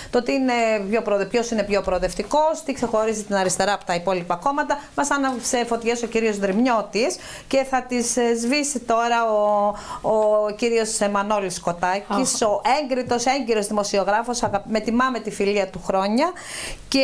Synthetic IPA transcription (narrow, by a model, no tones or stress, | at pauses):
t̪o̞t̪iːine̞pço̞pɾoðpço̞sinepço̞pɾoðe̞ft̪iko̞st̪ikse̞xo̞ɾizit̪inɐɾist̪e̞ɾɐpo̥t̪ɐipo̞lipɐko̞mɐt̪ɐmɐsɐnɐsefo̞t̪iʝeso̞ciɾio̞zðɾimɲo̞t̪is | ce̞θɐt̪izzvisit̪o̞ɾɐoː | ciɾio̞semɐno̞lisko̞t̪ɐciso̞ʔe̞ŋɡɾit̪o̞se̞ɲɟiɾo̞zðimo̞sio̞ɣɾɐfo̞sɐɣɐpme̞t̪imɐme̞t̪ifiliɐt̪uxɾo̞ɲɐ | ce